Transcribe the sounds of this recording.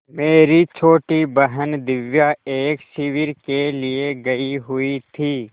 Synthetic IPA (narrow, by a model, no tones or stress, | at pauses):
meːɾit͡ʃʰoːʈibəɦənd̪ɪʋjaeːkʃɪʋɪɾkelieɡɐiɦʊit̪ʰiː